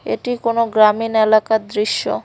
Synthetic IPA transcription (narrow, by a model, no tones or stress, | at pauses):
ḛʈikonoɡɾaminelakad̪ɾiʃːo̰